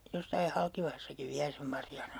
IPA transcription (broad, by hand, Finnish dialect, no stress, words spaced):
josːɑi hɑlkiʋɑhɑsːɑkiʋ ʋiæ sem mɑrjɑːnɑn̞